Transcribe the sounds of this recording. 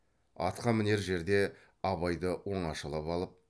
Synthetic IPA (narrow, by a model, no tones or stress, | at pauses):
ɑ̰t̪qɑmɪne̞ɾʒe̞ɾd̪e̞ | ɑβɑjd̪əwo̞ɴɑʃəlˠɑpɑlˠəp̚